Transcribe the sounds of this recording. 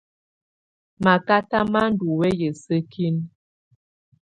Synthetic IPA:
ma˨ka˦ta˦ma˦n̩˦du˨wɛ˦jə˨sə˦kʰi˦n

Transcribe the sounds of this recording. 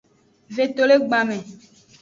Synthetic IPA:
ve˨t̪o˨le˦ɡ͡ba˨mẽ˨

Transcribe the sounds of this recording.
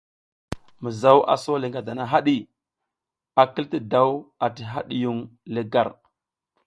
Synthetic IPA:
mə˨za˦wʔa̰˨so˦li˨ŋɡa˨da˨na˦ɦa˦ɗi˦ | a˨ki˦lti˦da˦wa˨ti˨ɦa˦ɗi˦ju˦ŋlə˦ɡa˨ɾ

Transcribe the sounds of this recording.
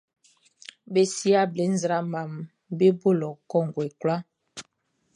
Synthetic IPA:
be˨si˦a˦ble˨˦n̩˦zɾa˦ma˨m | be˦bo˦˨lɔ˨kɔ˦˨ŋ˨ɡwe˨kwla˦

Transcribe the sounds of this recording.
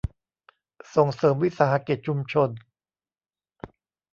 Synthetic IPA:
so˨˩ŋsɤː˩˦mwi˦˥saː˩˦ha˧˥ki˨˩t̪̚t͡ɕʰu˧mt͡ɕʰo˧n

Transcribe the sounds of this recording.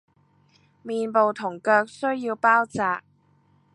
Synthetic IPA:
miː˨npo˨wt̪ʰʊ˨˩ŋkœː˧k̚sɵ˥ɥjiː˧wpaː˥wt͡saː˨˧k̚

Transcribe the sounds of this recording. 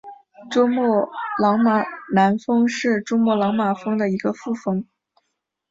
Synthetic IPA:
ʈ͡ʂʊ˥mɔ˥˩lɑ˧˥ŋma˨˩na˧˥nfɤ˥ŋʂɻ̩˥˩ʈ͡ʂʊ˥ŋmwɔ˥˩lɑ˧˥ŋma˨˩fɤ˥ŋd̪ə˨i˧˥ɡə˧fu˥˩fɤ˥ŋ

